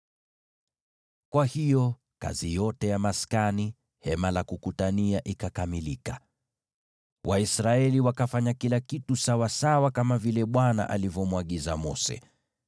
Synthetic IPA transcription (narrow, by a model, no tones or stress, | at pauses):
kwahijɔ | ka̰zijɔtɛjamaskani | hɛmalakukutaniaʔikakamilika | wʔaisɾaɛliwakafaɲakilakitusawasawakamavilɛɓwana̰ʔa̰livjɔmwaɠiza̰mɔ̰sɛ̰